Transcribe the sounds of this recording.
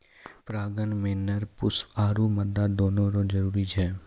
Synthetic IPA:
pɾaːɡənmeːnəɾpʊsaːɾuməd̪ad̪oːnõɾõd͡ʒəɾuːɾit͡ʃʰɛː

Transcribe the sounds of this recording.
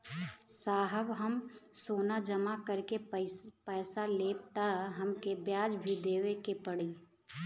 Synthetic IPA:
saːɦəbɦəmsoːnad͡ʒəmakəɾkepɛːsaleːb̚t̪aɦəmkebjaːd͡ʒbʱid̪eːʋekepəɽiː

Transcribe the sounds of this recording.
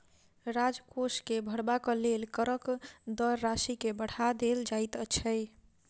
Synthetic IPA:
ɾad͡ʒkoskebʱəɽbakəlelkəɾəkd̪əɾːasikebəɽ̤ad̪eld͡ʒajt̪ət͡ʃʰəj

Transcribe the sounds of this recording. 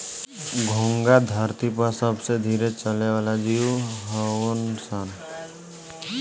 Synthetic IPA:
ɡʱũŋɡad̪ʱəɾt̪ipəɾsəbsed̪ʱiːɾet͡ʃəleʋaːlad͡ʒiwɦəwənsən

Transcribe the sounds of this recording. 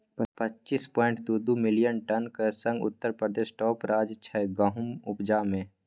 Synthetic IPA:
pɐtːt͡ʃispɔːɪ̃ɳʈd̪ud̪umɪlijənʈənkesə̃ŋɡʊ̰t̪ːəɾpɾəd̪eːʃʈɔːpɾaːd͡ʒt͡ʃʰɛɡəɦʊmʊpd͡ʒaːmẽ

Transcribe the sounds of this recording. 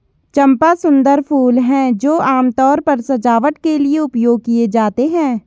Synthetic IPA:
t͡ʃɐ̃mpasʊ̃nd̪əɾpʰuːlɦɛ̃ːd͡ʒoːaːmt̪ɔːɾpɐɾsɐd͡ʒaːʋəʈkelieʊpjoːɡ̚kied͡ʒaːt̪eɦɛ̃ː

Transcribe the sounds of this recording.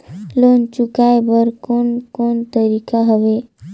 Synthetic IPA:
lont͡ʃukajbəɾkonkont̪əɾikaɦəʋe

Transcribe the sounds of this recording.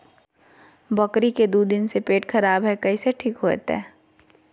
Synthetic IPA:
bɐkɾiked̪uːd̪ɪnsepeːʈxɐɾaːbɦɛkɐiseʈʰiːkɦo̰ːt̪ɛ̰ː

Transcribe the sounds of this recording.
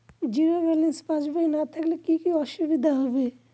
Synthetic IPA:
d͡ʒiɾoɾɛlinspãt͡ʃbainat̪ʰəklekikiɔʃubid̪ʱaɦɔbe

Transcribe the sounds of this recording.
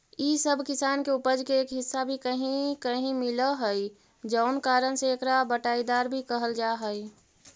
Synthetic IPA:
isəbʱkɪsaːnkeupəd͡ʒkeeːkɦɪsːabʱikəɦĩkəɦĩmɪləɦəi | d͡ʒəʊnkaːɾənseːkɾabəʈaːid̪aːɾbʱikəɦəld͡ʒaɦəi

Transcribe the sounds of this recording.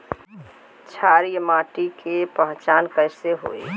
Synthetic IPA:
t͡ʃʰaːɾijəmaːʈikʰepə̃ɦt͡ʃaːnkəɪseɦo̰ːe

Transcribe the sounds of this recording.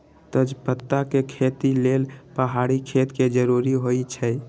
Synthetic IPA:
t̪əd͡ʒpət̪ːakekʰet̪ilelpəɦaɽikʰet̪ked͡ʒəɾuɾiɦojt͡ʃʰɛ

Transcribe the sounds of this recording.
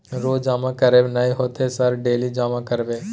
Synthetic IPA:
ɾoːd͡ʒaːmãːkəɾeːnaːiɦoːt̪ʰesəɾɖeːliːd͡ʒaːmãkəɾʋeː

